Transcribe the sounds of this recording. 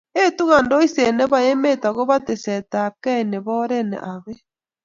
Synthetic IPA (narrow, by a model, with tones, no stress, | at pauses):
e˦tu˦ɣa˨ndo˦i˦se˨ne˦βa˦e˦me˦ta˨ɣo˦βa˦te˨sɛ˨ta˨kɛ˦˨ne˨βɔ˦ɾenḛʔa˨βe˦